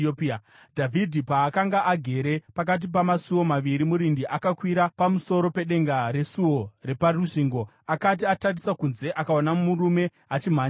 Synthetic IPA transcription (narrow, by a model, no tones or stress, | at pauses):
pː | dʱavʱidʱipaːkaŋɡaʔaɡʱe̞ɾe̞pak̬at̬ip̬amasuwo̞maʋiɾimuɾindiʔakakwiɾapamuso̞ɾo̞peɗe̞ŋɡaɾe̞suwo̞re̞paruʂiːŋɡo̞ | akat̬iatarisakunze̞ʔakaonamuɾume̞ | at͡ʃim̤aɲ